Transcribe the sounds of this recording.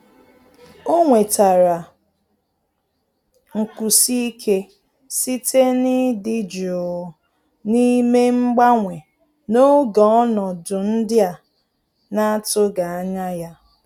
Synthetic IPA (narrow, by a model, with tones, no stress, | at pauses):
o˦ŋʷe˨ta˨ɾa˨ | ŋ̩˨ku˨si˦i˦kʰe˦ | si˦te˦ni˦di˦d͡ʒo˨ | ni˦me˦ŋ͡m̩˦ɡ͡ba˦ŋʷe˨ | no˦ɡɔ˨˦ɔ˦nɔ˨dʊ˨n̩˦dɪ˦a˨ | na˦a˦tʊ˦ɡa˨a˦ɲa˦ja˦